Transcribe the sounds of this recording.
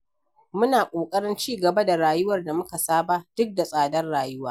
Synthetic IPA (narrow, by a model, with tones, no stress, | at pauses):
mʊ˦naː˨kʷʼoː˨kʼɐ˦ɽɪ˦nt͡ʃiː˦˨ɡɐ˨ba˦da˨ɾaː˨jʊ˦wɐ˨rda˨mʊ˦ka˨saː˦ba˦d̥ʊ˦k̚da˨sʼaː˨dɐ˦rɽaː˨jʊ˦waː˦